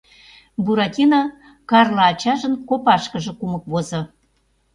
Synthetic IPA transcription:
buɾɑtʲino | kɑrlɑɑt͡ɕɑʒənkopɑʃkə̆ʒĕkumə̆k̚βozɤ̆

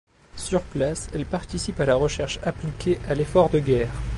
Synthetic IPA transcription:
syʁplasɛlpaʁt̪isipalaʁəʃɛʁʃaplikʲʰeʔalefɔʁd̪əɡʲɛːʁ

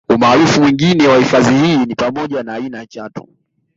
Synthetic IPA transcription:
umaːɾufumwiŋɡinɛwahifazihiːnipamɔʄanaːinajat͡ʃatu̥

